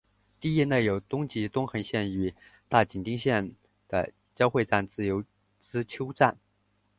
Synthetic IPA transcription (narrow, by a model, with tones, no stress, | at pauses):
t̪i˥˧i˥ne˥˩ɪjo˨˩ʊt̪ʊ˥ŋt͡ɕi˧˥t̪ʊ˥ŋxɤ˧˥ŋɕjɛ˥˩ny˨˩ | t̪a˥˩t͡ɕi˨˩nt̪i˥ŋɕjɛ˥˩n | d̪̥ə̰˩ | t͡ɕjɑ˥ʊxwe˥˧ɪʈ͡ʂa˥˧nt͡sɹ̩˥˩jo˧˥ʊ | ʈ͡ʂɻ̩˥t͡ɕʰjo˥ʊʈ͡ʂa˥˩n